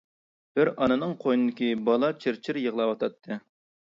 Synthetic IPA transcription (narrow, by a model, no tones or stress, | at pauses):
b̥ɪɾɑnɨnɨŋqʰojnɨd̪ɪkʲibɑlˠɑt͡ʃʰɪɾt͡ʃʰɪɾjəʁlˠɑwɑt̪ʰɑt̪ʰːɨ